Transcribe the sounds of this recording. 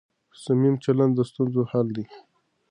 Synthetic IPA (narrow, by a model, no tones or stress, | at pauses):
samimt͡ʃaland̪d̪əst̪unzohald̪i